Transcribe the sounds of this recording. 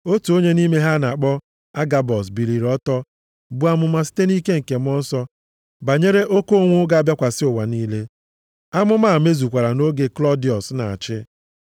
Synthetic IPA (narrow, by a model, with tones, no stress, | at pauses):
o˦tu˨o˦ɲe˦ni˦me˦ɦa˦na˨k͡pɔ˦ | a˦ɡa˨bɔ˨s̬bi˨ɾi˨ɾɔ˦tɔ˦ | bu˨˦a˨mʊ˨ma˦si̥˦te˦ni˦ke˦ŋ̩˨ke˨m˦ɔ˦n̩˦sɔ˦ | ba˨ɲe˦ɾe˦ʔo˦ko˦o˦˨ŋʷʊ˦ɡa˦a˦bja˦kʷa˨sɪ˦ʊ˨wa˨niː˦le˦ | a˦mʊ˦ma˦˨me˦zu˨kʷa˨ɾa˨no˦ɡe˨klɔ˦di˨ɔ˨sna̰˨a̰˨t͡ʃɪ˦